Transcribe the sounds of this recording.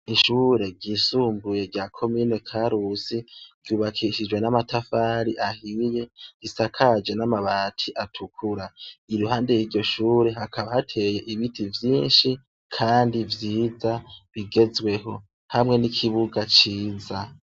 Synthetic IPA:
iʃuːɾe̞ɡɟisuːmbuje̞ɾɟaːkʰo̞miːne̞kʰaɾusiɾ̥ɟ̥juːβakʰiʃid͡ʒwe̞namatʰafaːɾiʔahije̞ɡisakʰad͡ʒe̞namaβaːtʰiʔatʰukʰuɾḁiɾuɦaːnde̞jiɾɟo̞ʃuːɾe̞hakʰaβahatʰe̞je̞ʔiβitʰivjiːnʃi | kʰaːndivjiːzaβiɡe̞zwe̞ɦo̞ | hamŋe̞nikʰiβuɡat͡ʃiːza

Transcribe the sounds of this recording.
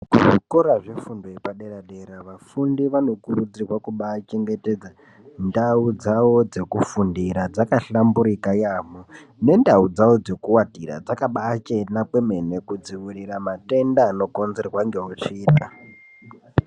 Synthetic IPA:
kuʐokoɾaʐifundoipaɗeɾaɗeɾaʋafundiʋano̞kurud͡zirwakuɓat͡ʃe̞ŋɡeted͡za | ndaud͡zawo̞d͡ze̞kufundiɾad͡zakaɬambuɾikajamu | ne̞ndaud͡zawo̞d͡ze̞kuwatira̰d͡zakaɓaːt͡ʃenakwe̞me̞ne̞kud͡ziwiriɾamate̞ndaːno̞ko̞nzerwaŋɡe̞ut͡ʃiːɗa

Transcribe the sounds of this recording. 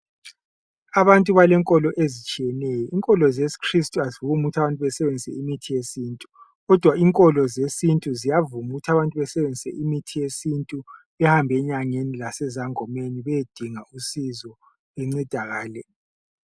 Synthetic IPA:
aβantʼuβalɛŋkʼɔlɔʔezit͡ʃʼijɛnɛjɔʔiŋkʼɔlɔzesi̥kʰristʼuazivuɣumuɣutʰaβantʼuβɛsɛβend͡zʱisɛ̰imitʰijesintʼu | ɣɔd̥ʱwaiŋkʼɔlɔzesintʼuzijavumuɣutʰaβantʼuβɛsɛβend͡zʱisɛ̰ʔimitʰijesintʼu | ɛhambʱɛɲaŋenilasɛzaŋɔmeniβɛed̥ʱiŋausizɔ | eŋ͡ǀid̥ʱaɣaːlɛ

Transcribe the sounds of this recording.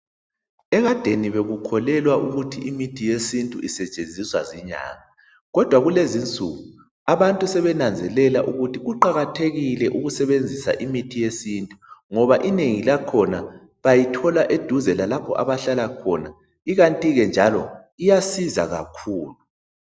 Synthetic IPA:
ɛɣad̥ʱeniβeɣukʰɔlɛlwaʔuɣutʰiʔimitʰijesintʼuisɛt͡ʃʼend͡zʱiswaziɲa̰ːŋa | ɣɔd̥ʱwaɣulezint͡sʼuɣu | aβantʼusɛβɛnand͡zʱɛlɛlaʔuɣutʰiɣuǃaɣatʰeɣilɛʔuɣusɛβend͡zʱisa̰ʔimitʰijesintʼuŋɔβaʔineŋilakʰɔna | βajitʰɔlaʔed̥ʱuzɛlalapʰɔ̰ʔa̰βaɬalakʰɔ̰na | iɣantʼiɣɛnd͡ʒʱalɔ | ijasiza̰ɣa̰kʰuːlu

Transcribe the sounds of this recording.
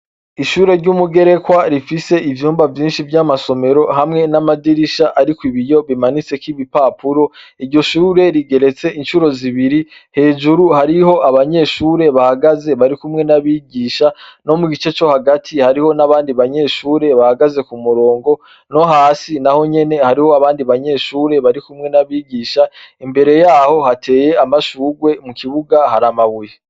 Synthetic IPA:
iʃuːɾe̞ɾɟuːmuɡe̞ɾe̞kwaɾifise̞ʔivjuːmbavjiːnʃivjamaso̞me̞ɾo̞hamŋe̞namadiɾiʃaʔaɾikwiβijo̞βimanit͡se̞kiβipapuɾo̞iɾɟo̞ʃuːɾe̞ɾiɡe̞ɾe̞t͡se̞ʔinʃuɾo̞ziβiɾihe̞ːʒuɾuhaɾiho̞ʔaβaɲe̞ʃuːɾe̞βahaɡaze̞βaɾikumŋe̞naβiɟiːʃano̞muɟit͡ʃe̞t͡ʃo̞haɡatʰihaɾiho̞naβaːndiβaɲe̞ːʃuːɾe̞βahaɡaze̞kumuɾo̞ːŋɡo̞ | no̞ɦaːsinaho̞ɲe̞ne̞haɾiho̞aβaːndiβaɲe̞ːʃuːɾe̞βaɾikumŋe̞naβiːɟiːʃaimbe̞ɾe̞jaːho̞hatʰe̞ːje̞amaʃuːɡwe̞mukiβuɡahaɾamaβuje

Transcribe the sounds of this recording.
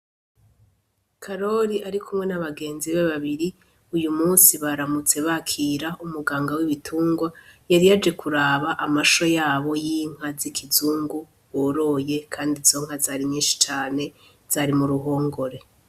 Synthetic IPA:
kʰaɾo̞ɾiaɾikʰumŋe̞naβaɡe̞ːnziβeβaβiɾi | ujumuːnsiβaɾamut͡se̞βakʰiːɾaʔumuɡaːŋɡawiβitʰuːŋɡwajaɾijad͡ʒe̞kʰuɾaːβaʔamaʃo̞jaːβo̞jiːŋ̥ɦazikʰizuːŋɡu | βoɾo̞je̞kʰaːndizo̞ŋ̥hazaːɾiɲɲiːnʃi̥t͡ʃaːne̞ | z̥aːɾimuɾuɦo̞ːŋɡo̞ɾe̞

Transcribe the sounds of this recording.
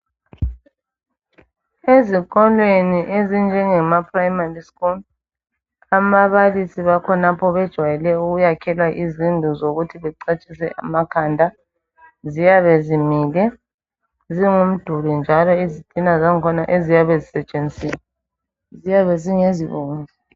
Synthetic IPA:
ezikɔlweniʔezind͡ʒʱɛŋɛmapʰrajmariskul | amaβalisiβakʰɔnapʰɔβɛd̥ʒ̥ʱwajɛlɛuɣujakʰɛlwaʔizindʱuzoɣutʰiβɛǀet͡ʃʼisɛ̰ʔa̰makʰandʱa | zijaβezimiːlɛ | ziŋum̩d̥ʱulind͡ʒʱalɔizid̥ʱʼinazaŋkʰɔnaʔezijaβezisɛt͡ʃʼend͡zʼiːla | zijaβeziŋeziβoːŋvi

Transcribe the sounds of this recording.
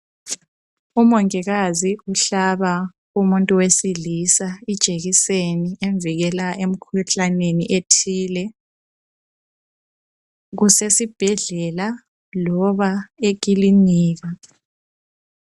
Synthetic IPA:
umɔŋiɣaziuɬaβa | umuntʼuwesilisaid̥ʒ̥ʱeɣisenieɱviɣɛlaʔem̩kʰuɬaneniʔetʰiːlɛ | ɣusesib̥ʱɛɮɛla | lɔβaek̬ʼiliɲiːɣa

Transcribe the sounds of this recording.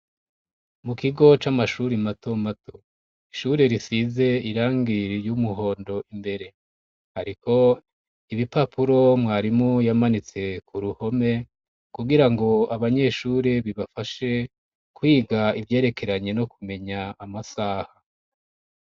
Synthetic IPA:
mukiɡo̞t͡ʃamaʃuɾimato̞matʰo̥ | iʃuɾe̞ɾisize̞iɾaːŋɡiɾijumuɦo̞ːndo̞ʔimbe̞ɾe̞ | haɾiko̞ | iβipapʰuɾo̞mŋaːɾimujamanit͡se̞kuɾuho̞me̞ | kuɡiɾaŋɡo̞aβaɲe̞ʃuːɾeβiβafaʃe̞ | kwiːɡaivje̞ːɾe̞kʰe̞ɾaɲeno̞kume̞ɲaːmasaːha

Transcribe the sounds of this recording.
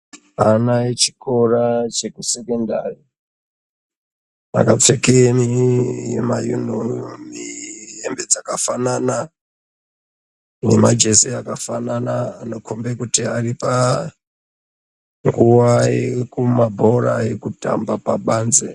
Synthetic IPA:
anaet͡ʃi̥kʰorat͡ʃe̞kusekendari | a̰kap͡fekenijḛmajṵnomiembe̞d͡zakafanana | nemad͡ʒe̞seakafananaːno̞kʰombekutiaripa | ŋɡuwaḛkumabʱo̞raekuta̰mbapaɓaːnze

